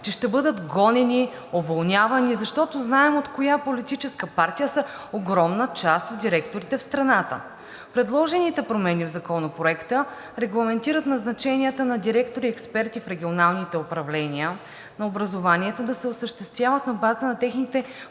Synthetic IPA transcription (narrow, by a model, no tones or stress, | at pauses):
t͡ʃɛʃt̪ɛbɤd̪ət̪ɡɔnɛni | ovɐlˠnʲavɐnizɐʃt̪ɔt̪oznaɛmot̪kojapolit̪it͡ʃɛskəpaɾt̪ijəsɐ | oɡɾɔmnət͡ʃast̪od̪̚d̪iɾɛkt̪oɾit̪ɛfst̪ɾɐnat̪ə̰ | pɾɛd̪lˠɔʒɛnit̪ɛpɾomɛnivzɐkɔnɐpɾoɛkt̪ə | ɾɛɡlˠɐmɛnt̪iɾət̪nɐznɐt͡ʃɛniət̪ənɐd̪iɾɛkt̪oɾiɛkspɛɾt̪ifɾɛɡ̟ʲionalˠnit̪ɛopɾɐvlɛniə | nɐobɾɐzovanʲiɛt̪od̪ɐsɛosəʃt̪ɛst̪vʲjavət̪nɐbaznɐt̪ɛxnit̪ɛ